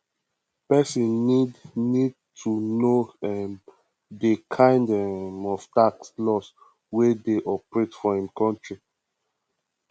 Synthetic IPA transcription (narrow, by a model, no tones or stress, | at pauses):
pɛsĩnnidnid̚ | tʰunoɛm | dekʰãɪ̃ndɛmɔvtakslɔs | wedeʔɔpɹetfɔhĩmkʰɔ̃ntɹi